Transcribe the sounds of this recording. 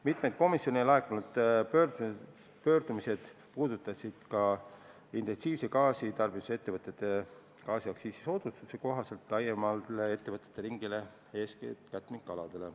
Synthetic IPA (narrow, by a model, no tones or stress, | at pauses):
mit̪ˑme̞d̪̥̚ko̞misjo̞nejlɑekːˑunud̪̥ø | pøːrd̪umise̞d̪̥ | puːd̪ut̪ːˑɑsid̪̥kɑ | int̪e̞nsiːvsekɑːsit̪ɑrb̥iu̥se̞t̪ːe̞vɤt̪ːˑet̪ːˑe̞ | kɑːsiɑksiːsiso̞d̪̥ust̪useko̞ɦɑse̞lt̪ˑlɑjemɑllee̞t̪ːe̞vɤt̪ːˑe̥t̪ːˑeɾiŋɡile̞ | e̞ːskkæt̪ːˑmiŋkːˑɑlɑd̪̥e̞le̞